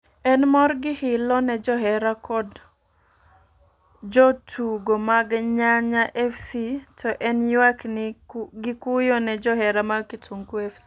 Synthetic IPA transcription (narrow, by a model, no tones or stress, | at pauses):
ɛnmɔrɡɪhɪlɔnɛd͡ʒɔɦɛɾakɔd | d͡ʒɔtʰuɡomaɡɲaɲaʔɛfsitʰɔʔɛnjwaknɡɪkujɔnɛd͡ʒɔɦɛɾamaɡkɪtuŋkuɛfsi